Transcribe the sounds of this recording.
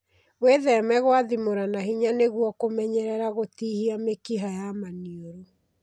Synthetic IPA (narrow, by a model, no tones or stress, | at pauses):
weðɛmɛɣowaðimoɾanahiɲaneɣwɔkomɛɲɛɾɛɾaɣotihiamekiɦajamaniɔɾo